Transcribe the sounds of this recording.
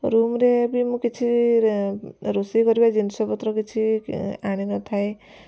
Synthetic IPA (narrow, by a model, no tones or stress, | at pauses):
ɾumɾebimũkit͡ʃʰi | ɾusikɔɾibad͡ʒinsɔbɔt̪ɾɔkit͡ʃʰiaɽ̃inɔt̪ʰae